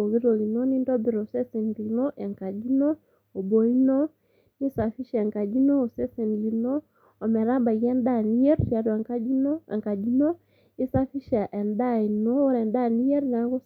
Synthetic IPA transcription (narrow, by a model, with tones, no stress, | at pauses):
o˨ɣi˦ɾo˨ɣi˨nɔ˦ni˦ndɔ˦bi˨ɾo˨sɛ˦sɛ˨ndi˨nɔ˦ʔɛ˨ŋka˨d͡ʒi˦nɔ˦ | o˨bɔ˨i˦nɔ˦ | ni˦sa˨fi˦ʃa˦ɛ˨ŋka˨d͡ʒi˦nɔ˦o˨sɛ˦sɛ˨ni˨nɔ˦ | ɔ˨mɛ˨ɾa˦ba˨ɣɛ˦nda˦˨ni˦ɛ˦ɾa˨do˨a˨ŋka˦d͡ʒi˦nɔ˦a̰˨ŋka˨d͡ʒi˦nɔ˦ | i˦sa˦fi˦ʃa˨ʔɛ˨nda˦i˨nɔ˦ɾɛ˨nda˦˨ni˦ɛ˦ɾna˨ko˦